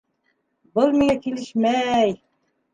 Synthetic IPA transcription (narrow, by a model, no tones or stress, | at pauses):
bɤlˠmiŋækilɘʃmæj